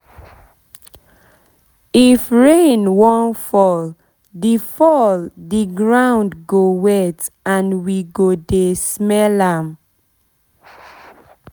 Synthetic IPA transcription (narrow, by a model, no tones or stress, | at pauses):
ifɹẽnwɔ̃nfɔl | difɔldiɡɹãʊ̃ndɡowɛtãnwiɡodesmɛlãm